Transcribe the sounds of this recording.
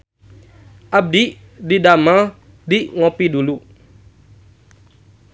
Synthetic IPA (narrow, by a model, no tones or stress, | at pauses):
ʔab̚diʔ | didama | diʔŋopidulu